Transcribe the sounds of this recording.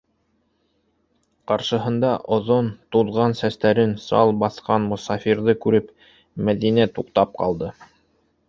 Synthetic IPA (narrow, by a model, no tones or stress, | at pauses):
qɑɾʃɤ̆ɦɤ̆nd̪ɑʔŏðont̪uðʁɑnsæst̪æɾɘnsɑ̰lˠbɑθqɑnmŏsɑfʲiɾðɤkʉɾɘp | mæðinæt̪uqt̪ɑp̚qɑ̰lˠd̪ɤ